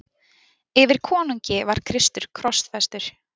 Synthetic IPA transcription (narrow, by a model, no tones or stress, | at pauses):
ɪvɪɾ̥kʰɔːnuɲcɪvaɾ̥kʰɾɪst̪ʏɾ̥kʰɾɔst̪fɛst̪ʏɾ̥